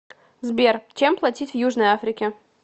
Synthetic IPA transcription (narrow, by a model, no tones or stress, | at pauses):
zbʲert͡ɕemplˠɐtʲitʲvjuʐnəjafɾʲɪkʲɪ